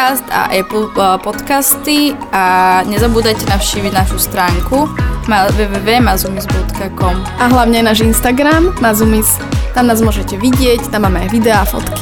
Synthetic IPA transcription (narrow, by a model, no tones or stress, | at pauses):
ast̪a̰ʔɛpl̩pɔt̪kast̪i | aɲɛzabuːd̪ajcɛnafʃciːʋiɟnaʃust̪ɾaːŋkumaʋɛːʋɛːʋɛːmazumizbɔt̪kakɔmʔaɦlaʊɲɛajnaːʒinst̪aɡɾamːazumis | t̪amnaːzmʊɔʒɛcɛʋiɟɪɛct̪amːaːmɛajʋid̪ɛafɔ̰t̪ki̥